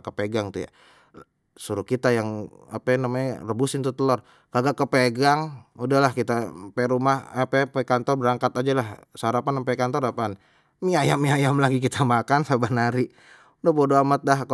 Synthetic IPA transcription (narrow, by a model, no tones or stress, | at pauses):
kəpeɡaŋt̪uja̰ | suɾukit̪ajaŋa̰panamaɲa̰rəbusɪnt̪ut̪əlɔr | kaɡakəpeɡaŋudahlahkit̪apeɾumahpɛpekant̪ɔrbəɾaŋkat̪ad͡ʒalahsəaɾapanpakant̪ɔrapan | miajamiajamlaɡik̬it̪ʰamakansabanaɾi | dapodoamat̪̚laɦk